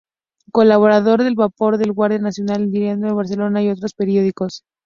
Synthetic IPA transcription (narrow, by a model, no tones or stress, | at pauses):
ko̞laβo̞ɾað̞o̞ɾðe̞lβapo̞ɾðe̞lɣwaɾðjanasjo̞nald̪iɾjend̪oðeβaɾse̞lo̞naio̞t̪ɾo̞spe̞ɾjo̞ðiko̞s